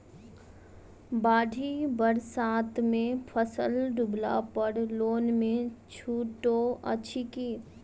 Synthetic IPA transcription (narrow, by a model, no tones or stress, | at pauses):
baːɖʱibəɾsaːt̪mẽpʰəsəlɖʊbla̰pəɽloːnmẽt͡ʃʰuːʈoə̰t͡ʃʰikiː